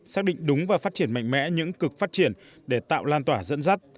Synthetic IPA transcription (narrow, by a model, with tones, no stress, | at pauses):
saː˦˥k̚ɗḭ˧˨ŋ̟ɗʊ˨˦ŋ͡mvaː˨˩fa˦˥t̚t͡ɕi˧˩ənma̰˧jŋ̟mɛ̰˧˥ɲɨ̰˧˥ŋkɨ˨˩k̚faː˦˥t̚t͡ɕi˧˩ən | ɗe˧˩t̪a̰ː˧˨wlaː˧nt̪waː˧˩zə̰˧˥nza˦˥t̚